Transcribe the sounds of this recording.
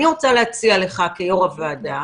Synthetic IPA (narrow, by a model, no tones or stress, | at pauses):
iʁo̞t͡saleɦat͡siale̞χakejoʁavaːda